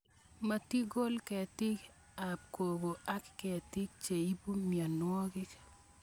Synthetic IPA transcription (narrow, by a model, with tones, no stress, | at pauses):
mɐ˦ti˦ɡo˦lkɛ˨tɪ˦k | a˨b̚ko˨bo˨a˦kkɛ˨tɪ˦k̚t͡ʃe˨i˦bu˦mja˨nwɔ˦kɪ˦k